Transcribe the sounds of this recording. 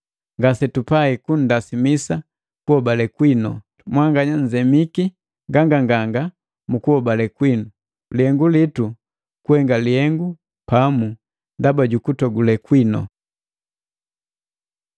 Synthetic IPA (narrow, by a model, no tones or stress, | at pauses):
ŋɡasɛtupaikun̩dasimisa | kuhɔbalɛkwinɔ̰ | mwaŋɡaɲaɲd͡ʒɛmiki | ŋɡaŋɡaŋɡaŋɡa | mukuhɔbalɛkwinu | lihɛŋɡulitu | kuhɛŋɡalihɛŋɡu | pamu | ndabaɟukutɔɡulɛkwinɔ̰